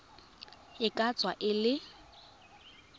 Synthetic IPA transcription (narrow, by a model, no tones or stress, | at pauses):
ɪkʼat͡sʼwaʔɪlɪ